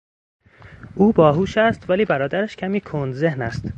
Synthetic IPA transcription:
ʔuːbɒːɦuːʃæst̪væliːbæɾɒːd̪æɾæʃcʰæmiːkʰond̪ze̞hnæst̪

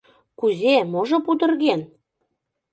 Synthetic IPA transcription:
kuzemoʒɤ̆pud̪ɤ̆rɣen

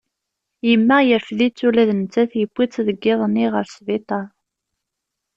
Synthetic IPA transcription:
jəmːæjəfðit͡sːulæðənt͡sːæθjəpːit͡sːðəɡːɪðˤənːiʁəɾsvit̪ˤɑ

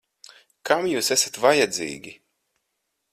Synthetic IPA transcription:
kʰamjuːsɛsat̪vajad̪zḭːɡʲi

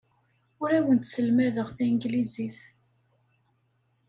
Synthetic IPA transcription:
ʊɾæwənt̪səlmæðəʁθæŋɡliziθ

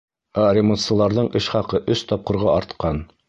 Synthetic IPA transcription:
æɾʲɪmot̪sɤ̆lˠɑɾðɤɴʔɘʃχɑqɤʔɵst̪ɒp̚qŏɾʁɑɑɾt̪qɑn

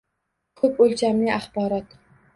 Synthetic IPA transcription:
kʰɵpɵlt͡ʃʰamlɪʔaχbɒɾɒt̪

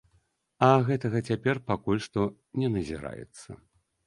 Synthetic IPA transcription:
ɐɣɛt̪ɐɣɐt͡sʲapʲɛrpakulʲʂt̪ɔ | nʲɛnɐzʲiɾa̰jɛ̰t̪sːɐ

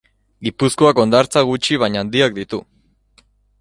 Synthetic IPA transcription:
ɡipuskoako̞nd̪aɾt͡saɣut͡ʃiβ̞aɲaːnd̪iak̚d̪it̪u

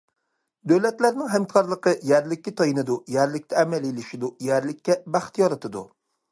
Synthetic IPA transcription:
d̪øwlɛt̪læɾnɪŋɦæmkkʰɑɾlˠəqəjæɾlɪk̚ʲːɛt̪ʰɑjinɨd̪ujæɾlɪk̚ʲt̪ʰɛːmɛlelɪʃid̪ujæɾlɪkʲːɛbæχt̪jɑɾɨt̪ʰɨd̪ṵ

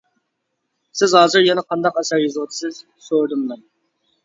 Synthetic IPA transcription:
sɪzhɑːzɨɾjɛnɛqʰɑnd̪ɑqæsæɾjozwɑt̪ʰɨ̥sɨz̥ | søɾd̪ɪmlɛm

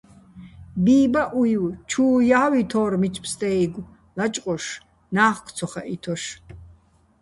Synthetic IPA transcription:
biːbaʔujwt͡ʃʰuːjaːwit̪ʰɔːɾmit͡ʃʰpʰst̪ʼɛɡʷ | lat͡ʃʼqʼɔʃ | naːχkʰʷt͡sʰɔχa̰ʔit̪ʰɔʃ

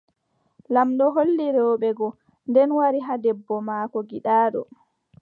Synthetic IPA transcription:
lamɗɔɦolːiɾɛwɓɛɡɔ | ndɛnwaɾiɦadɛbːɔmaːkɔɡiɗaːɗɔ̰

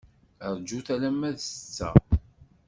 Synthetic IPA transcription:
əɾˤd͡ʒːuθælæmːæðsə̥t͡sːæ̰

